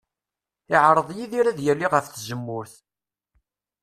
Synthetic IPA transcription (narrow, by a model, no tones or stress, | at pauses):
ɪʕɾˤəðˤjiðiɾæðjælːiʁəfθzəmːʊɾθ